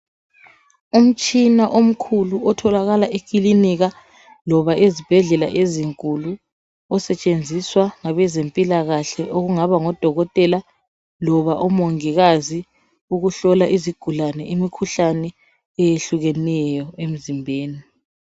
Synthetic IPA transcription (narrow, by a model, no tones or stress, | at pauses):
um̩t͡ʃʼinaʔom̩kʰuluɔtʰɔlaɣalaʔek̬ʼiliniɣa | lɔβaʔezib̥ʱɛɮɛla̰ʔeziŋkʼulu | ɔsɛt͡ʃʼend͡zʱiswaŋaβɛzempʼilaɣaɬɛʔoɣuŋaβaŋɔd̥ʱɔɣɔtʼɛla | lɔβaʔɔmɔŋiɣazi | uɣuɬɔlaʔiziɡ̥ʱulanɛʔimikʰuɬanɛ | ɛjeɬuɣɛnɛjɔem̩zimbʱeːni